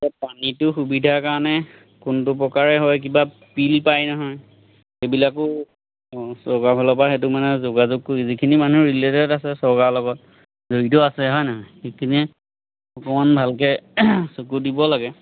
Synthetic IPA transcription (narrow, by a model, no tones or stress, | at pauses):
tapanitʊxubidʱakaɹɔnɛ | kʊntʊp̬ɹɔkaɹɛɦɔjk̬iba | pilpajnɔɦɔj | ebilakʊ | sɔɡabʱɔlɔpaxet̬ʊmanɛzoɡazʊɡkozikʰinimanuɹiletɛɔtasɛsɔɹɡalɔɡɔt | zoɹitɔasɛɦɔjnaɦɔjxikʰini | ɔkɔmanbʱalkɛsukudibɔlaɡɛ